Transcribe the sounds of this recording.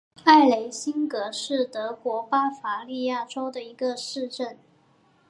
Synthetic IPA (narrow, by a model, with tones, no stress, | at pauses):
a˥˩ɪle˧˥ɪɕi˥nkɤ˧˥ʂɻ̩˥˩t̪ɤ˧˥kwɔ˧˥pa˥fa˧˥li˥˧ja˥˩ʈ͡ʂo˥ʊd̪ə˨i˧˥ɡə˧ʂɻ̩˥˧ʈ͡ʂə˥˩n